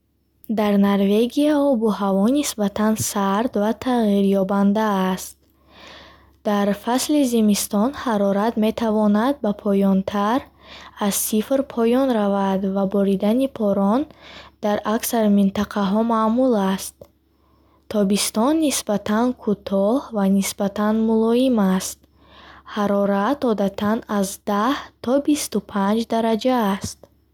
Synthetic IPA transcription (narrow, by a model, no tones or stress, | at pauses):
d̪aɾnaɾve̞ɡiaɔbuhavɔnisbat̪ʰansaɾd̪vat̪ʰaʁiɾjɔband̪aːst̪̚ | d̪̥aɾfaslizimist̪ɔnhaɾɔɾat̪me̞t̪ʰavɔnad̪̚bapʰɔjɔnt̪ʰaɾazsifɾpʰɔjɔnɾavad̪vabɔɾid̪anipʰɔɾɔnd̪̥aɾaksaɾmint̪aqʰaɦɔmaːmulast̪ʰː | ɔbist̪ɔnːisbat̪ʰankʰut̪ʰɔhvanisbat̪ʰanmulɔimast̪ | haɾɔɾat̪ɔd̪at̪ʰanazd̪aht̪ʰɔbist̪upʰand͡ʒd̪aɾad͡ʒaːst̪̚